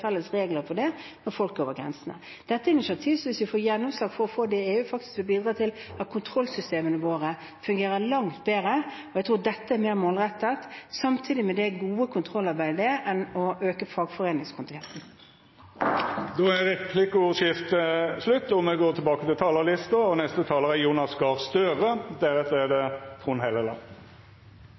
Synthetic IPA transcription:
fɛlːəsɾeːɡləɾfɔɖɛnɔɾfɔlk̚oːʋəɾɡɾɛ̰nsənə̰ | d̪̥ɛt̪ːəɛɪnɪʃɪɑt̪ʰiːʋsɔʋɪsʋɪfoːjɛnːɔmslɑːɡfɔɾɔfoːd̪ɛeːʉːfɑkt̪ɪ̥skʋɪlbiːd̪ɾɑːt̪ʰɪlæt̪kʰʊnt̪ʰɾɔlsʏst̪eːmənəʋoːɾə | fʉŋɡeːɾəɾlɑŋt̪beːɾə | ɔjæɡt̪ʰɾuːd̪ɛt̪ːəæmeːɾmoːlʁɛt̪ːət̪sɑmt̪ʰiːd̪ɪmɛd̪ɛɡuːəkʰʊnt̪ʰʁɔlːɑɾbæɪd̪əd̪ɛʔɛnɔʔøːkəfɑːɡfɔʁeːnɪŋskʰʊnt̪ɪɡɛnt̪n̩ | d̪ɔæʁɛpʰlɪkʊʃɪft̪əslʉt̪ːɔmɛɡoːt̪ʰɪlbɑːkət̪ɪlt̪ʰɑːləlɪst̪əɔnɛst̪ət̪ʰɑːləʁɛjuːnɑsɡɑʁst̪øːʁəd̪ɛʁɛt̪ːɛd̪ɛt̪ʰʁʊnhɛləlɑ̰n

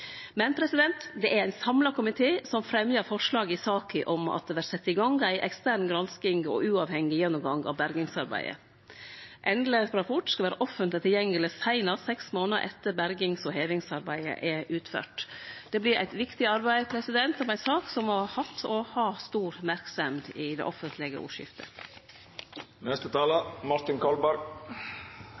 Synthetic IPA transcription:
mɛnpʰɾɛsɪd̪ɛnt̪d̪ɛʔæɾæɪnsɑmlɑkʊmɪt̪ʰeːsɔmfɾɛmjəɾfɔʂɭɑːɡɪsɑːkʰəʔɔmɑ̰t̪̚d̪ɛʋæɾsɛt̪ːɪɡɑŋɡæɪʔɛkst̪æːɾnɡɾɑnskɪŋɔ̰ʔʉːɑʋhɛŋːɪjɛnːʊmɡɑŋɑ̰ʋbæɾɡɪŋsɑɾbæ̰ɪə̰ | ʔɛnd̪ləɾɑpʰɔʈskɑʋæːɾəʔɔfːənt̪lɪt̪ʰɪljɛŋːəlɪsæɪnɑɾsɛksmoːnəɾʔɛ̰t̪ːəɾbæɾɡɪŋsɔheːʋɪŋsɑɾbæɪə̰ʔɛʉːt̪fø̰ːʈd̪̥ɛblɪɾʔæ̰ɪt̪ʋɪkt̪ɪɑɾbæɪpʰɾɛsɪd̪ɛnt̪ɑmæɪsɑːksɔmːɔhɑt̪ʰːɔhɑst̪uːɾmæɾksɛmd̪ɪd̪ɛ̰ʔɔfənt̪ʰlɪɡə̰ʔṵːʂɪ̰ft̪ʰə̰ | nɛst̪ət̪ʰɑːləmɑɾt̪ɪnkʰɑlbæɾɡ

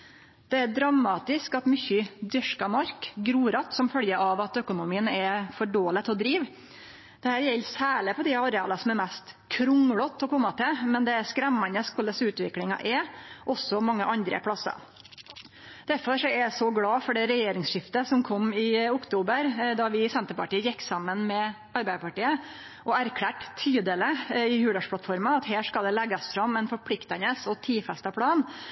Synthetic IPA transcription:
d̪̥ɛæɖɾɑmːɑːt̪ɪskɑt̪mʏçʏd̪ʏʂkɑmɑɾkɡɾuːɾɑt̪sɔmfœljəʔɑʋɑt̪œkʊnʊmiːənɛfɔɖoːlət̪ʰɔd̪ɾiːʋ | d̪̥ɛhæːɾjɛlːsæːɭɪpʰɔd̪ɪɑɾɛɑ̰ːlɑsɔmɛɾmæst̪kʰɾʊŋɽɔt̪ʰːɔkɔmːɑt̪ʰɛlmɛnd̪ɛæskɾæmːɑnəskɔləsʉːt̪ʋɪklɪŋɑ̰ʔɛɾʔɔsɔmɑŋːəʔɑnd̪ɾə̰pʰɽɑsɑ̰ | d̪̥æɾfɔɾʂɔɛsɔɡɽɑːfɔɖɛɾɛjeːɾɪŋsʂɪft̪əsɔmkʰɔmːɪʊkt̪ʰuːbəɾd̪ɑʋɪsɛnt̪əɾpɑʈiːəjɪkːsɑmːənmɛ | ɑɾbæɪd̪əpɑʈiːə | ʔɔæɾkʰlæːʈt̪ʰyːd̪ələɪhʉːɖ̪ɑʂpʰlɑt̪fɔɾmɑɑt̪ɦeːʂkɑld̪ɛlɛɡɑsfɾɑmɛnfɔɾpʰlɪkt̪ɑnəsɔt̪ʰiːfɛst̪ɑpʰɽɑːn

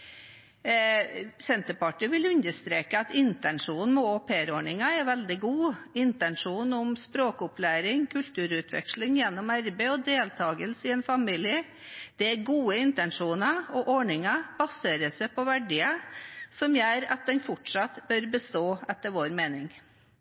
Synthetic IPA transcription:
sɛnt̪əpɑʈɪʋɪlʉnd̪əst̪ɾeːkəɑt̪ɪnt̪ɛnʂuːnn̩mɛoːpʰeːɾoːɳɪŋɑɛɾʋɛld̪ɪɡuːɪnt̪ɛnʂuːnʊmspɾoːkʊplæːɾɪŋkʰʉlt̪ʉːɾʉːt̪ʰʋɛ̰kʂlɪŋjɛnːɔmæɾbəɔd̪eːlt̪ʰɑːɡəlsɪɛnfɑmiːlɪə | d̪̥ɛæɾɡuːəɪnt̪ɛnʂuːnɑɔʔɔɳɪŋɑb̥ɑseːɾəsɛpʰɔʋæɖiːəsɔmjøːɾɑ̰t̪̚d̪ɛnfʊʈʂɑt̪bœɾbəst̪oːɛt̪ːəɾʋoːɾmeːnɪŋ

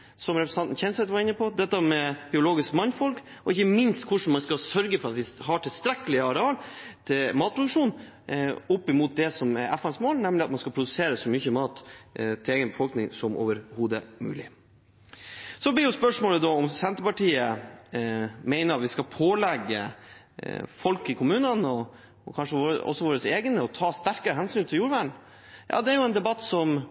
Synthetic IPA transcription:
sɔmɾɛpɾsɑnt̪n̩çɛnsɛt̪ʋɑɾɪnːəpʰɔd̪ɛt̪ːəmɛb̥ɪʊloːɡɪskmɑnfɔlkɔɪçːəmɪnst̪kʰʊʂn̩mɑnskɑsœɾɡəfɔɾɑt̪ʋɪɦɑʈʰɪlst̪ɾɛkːəlɪɑɾɛɑːlt̪ʰɪlmɑːt̪̚pʰɾʊd̪ʉkʂuːn | ʊpːɪmuːt̪̚d̪ɛsɔmɛɾɛfɛnsmoːlnɛmlɪɑt̪mɑnskɑlpʰɾʊd̪ʉseːɾəsɔmʏçəmɑːt̪t̪ʰːɪleːɡənbəfɔlknɪŋsɔmʔo̰ːʋəɾhuːd̪əmʉ̰ːlɪ̰ | sɔblɪjʊspœʂmoːləd̪ɔɔmsɛnt̪əpɑʈiːə | mɛɪnəɾɑt̪ʋɪskɑlpʰoːlɛɡːə̰ | fɔlkɪkʰʊmʉːnənɔ | kʰɑnʂəʋoːɾəɔ̰sːɔʋoːɾəseːɡənəɔt̪ʰɑːst̪æɾkəɾəɦɛnsyːnt̪ʰɪljuːɾʋæːɳ̩ | jʔɑ̰ːd̪ɛæɾjʊɛnd̪ɛbɑt̪ːsɔm

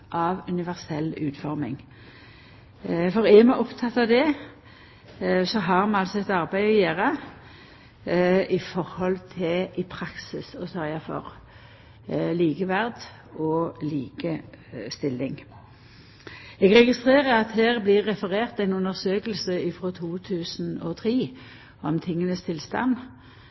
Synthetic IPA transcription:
ʔɑʋʉnɪʋæʁsɛlːʉːt̪fɔʁmɪ̰ŋ | fɔʁɛmɑɔpt̪ʰɑt̪ːɑʋd̪ɛ | sɔɦɑʁmɑnɑlsɔɛt̪ɑʁbæɪɔjeːʁə | ɪfɔʁhɔlt̪ʰɪʔɪpʰʁɑksɪsɔsɔɑfɔ̰ʁ | liːɡəʋæʁd̪ | ɔliːɡəst̪ɪlːɪŋ | ɛɡʁɛɡɪst̪ʁeːʁəʁɑt̪hæːʁblɪʁːɛfəʁeːʁt̪æɪnʉnəʁsøːkəlsəɪfʁɔt̪ʰuːt̪ʰʉːsn̩ɔt̪ʰʁiː | ɔmt̪ʰɪŋːənəst̪ʰɪlst̪ɑ̰n

